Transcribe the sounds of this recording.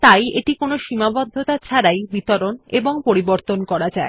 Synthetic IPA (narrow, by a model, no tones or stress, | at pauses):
t̪ajeʈikonoʃimabɔd̪ʱːot̪at͡ɕʰaɾajbit̪oɾoneboŋpoɾiboɾt̪onkɔɾad͡ʑae